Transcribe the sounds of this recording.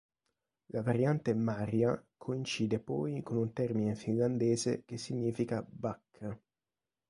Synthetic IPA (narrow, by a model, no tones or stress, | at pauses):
lavaɾjant̪emaːɾjakʰoint͡ʃiːd̪epɔjkonunt̪ɛrminefinland̪ɛːzek̟esːiɲːiːfikabakʰː